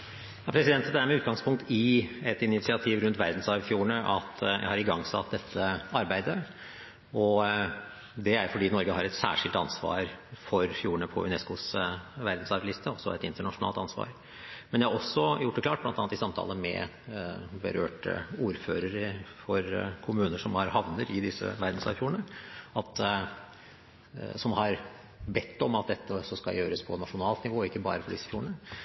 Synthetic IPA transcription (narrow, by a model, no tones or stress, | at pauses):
ɑpʰɾɛsɪd̪ɛnt̪əd̪ɛææɾmɛʉːt̪̚ɡɑŋspʰʊŋkt̪ɪɛt̪ɪnɪt̪sɪɑt̪ʰiːʋɾʉnt̪ʋæɾd̪n̩sɑɾʋfjuːɳəʔɑt̪jæ̰ɪhɑɾɪɡɑŋːsɑ̰t̪̚d̪ɛt̪ʰːəɑɾbæɪd̪ə | ɔ | d̪ɛæjfɔɖiːnɔɾɡəɦɑɾɛt̪sæ̰ːʂɪlt̪ɑnsʋɑ̰ːɾfɔɾfjuːɳəpʰɔ̰ʉnɛskʊsʋæɾd̪n̩sɑɾlɪst̪əɔsːɔɛt̪ɪnt̪əɳɑʂʊnɑ̰lt̪ɑnsʋɑ̰ːɾ | mɛndjɛhɑɾɔsːɔjʊʈːɛklɑːʈ̚blɑnɑːnt̪ɪsɑmt̪ʰɑ̰ːləmɛ̰ | bə̰ɾø̰ːʈə̰uːɾføːɾəɾfɔɾkʰʊmʉːnəʂɔmhɑɾhɑʋnəɾɪd̪ɪsːə̰ʋæɾd̪n̩sɑ̰ːfjuːəɳəɑt̪ | sɔmhɑɾ | bɛt̪ʰːɔmɑt̪̚d̪ɛt̪ːəsɔskɑ̰ljøːɾəspʰɔnɑʂʊnɑːlt̪nɪʋoːɪkːəbɑ̰ːɾəfɔɖɪsːə̥fjuːəɳə